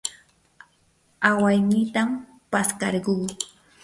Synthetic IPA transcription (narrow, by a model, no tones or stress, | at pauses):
awajnɪt̪am | paskɑɾɢuː